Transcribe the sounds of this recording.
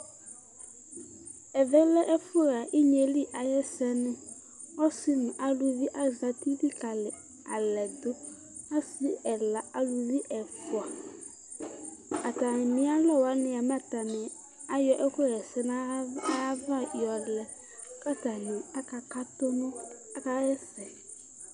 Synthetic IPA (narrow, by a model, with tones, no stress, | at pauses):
ɛ˨vɛ˦lɛ˦ʔɛ˦fʊ˦˨ɾa˨ʔi˦ɲe˨li˦ʔa˨jɛ˦sɛ˦nɪ̃˦ | ɔ˦sɪ˦nʊ̃˨ʔa˨lu˨vi˦ʔa˨za˨t̪i˦di˦ka˨lɪ˨ | a̰˨lɛ˨d̪ʊ˦ | a˦sɪ˦ɛ˨la˨a˨lu˨vi˦ʔɛ˨fʊ˨a˨ | a˨ta˨nɪ̃˨˦a˦lɔ˦˨wa˨˦nɪ̃˨a˨ma˦ta˨nɪ˨ | a˦jɔ˦ʔɛ˦kʊ˦ɣɛ˨sɛ˦n˦a˦a˦va˦˨jɔ˨lɛ˨ | ka˦ta˨nɪ˨a˦ka˨ka˦to˦nʊ̃˦a˦ka˨jɛ˦sɛ˨